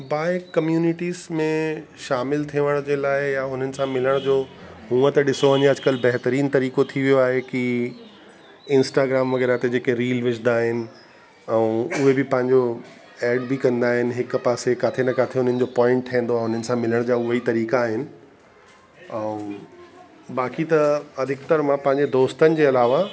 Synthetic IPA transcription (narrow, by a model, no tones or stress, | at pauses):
baːɪkkːɐmjuːnɪʈiːzmẽ | ʃaːmɪlt̪ʰiʋəɽ̃d͡ʑeːlaːɪjaɦʊn̤ənɪ̆sãmɪləɽ̃d͡ʑoːɦũːət̪ɐɗɪsoʋə̃ɲeɐd͡ʑkəlbɐɦt̪əɾiːnt̪ɐɾiːkot̪ʰiʋijoaːɦeki | ɪ̃nsʈaːɡɾaːmʋɐɣɛːɾat̪ed͡ʑeːkeɾiːlʋɪd͡ʑʰnd̪aːɦɪnɪ̆ | ɛ̃ũʊɦebɪpɐ̃ɦɪ̃ɲd͡ʑo | ɛːɖbɪkɐ̃nd̪aːɦɪnɪ̆ɦɪkpaːsekaːt̪ʰenɐkaːt̪ʰeɦʊn̤ənɪ̆d͡ʑoːpɔːɪ̃ɳʈ̚tʰĩːn̆d̪oaːeɦʊn̤ənɪ̆sãmɪləɽ̃d͡ʑaːʊɦəit̪ɐɾiːkaːɦɪnɪ̆ | ɛ̃ũ | baːkit̪ɐɐd̪ʱɪkt̪əɾmãpɐ̃ɦɪ̃ɲd͡ʑed̪oːst̪ənɪ̆d͡ʑeːɐlaːʋa